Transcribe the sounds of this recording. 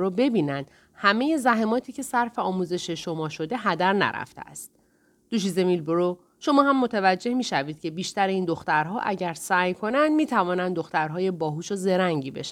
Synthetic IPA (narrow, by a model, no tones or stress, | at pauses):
ɾobe̞biːnænd̪̥ | hæme̞je̞zæɦe̞mɒːt̪ʰiːce̞sæɾfe̞ɒːmuze̞ʃe̞ʃo̞mɒːʃo̞d̪e̞ɦæd̪æɾnæ̰ɾæ̰ft̪ʰḛæ̰st̪̚ | d̪̥uːʃ̬ize̞miːlboɾo | ʃo̞mɒːɦæmːot̪ʰævæd͡ʒːe̞hmiːʃæviːd̪̥̚cʰe̞biːʃt̪æɾeiːnd̪o̞xt̪æɾɦɒːʔæɟæɾsæːjkʰo̞nænd̪miːt̪ʰævɒːnænd̪d̪o̞xt̪æɾɦɒːje̞bɒːɦuːʃoze̞ɾæŋɟiːbeʃ